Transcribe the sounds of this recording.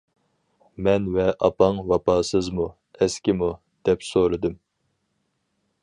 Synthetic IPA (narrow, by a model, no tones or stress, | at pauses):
mɛnvɛʔɑpɑŋwɑpɑːsɨzmu | ɛskʲɪmu | d̪̥ɛpsoɾɨd̪ɨm